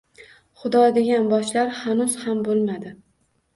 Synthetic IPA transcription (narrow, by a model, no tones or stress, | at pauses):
χʊd̪ɒd̪eɡʲanbɒʃlaɾhanʊz̥hambolˠmad̪ɪ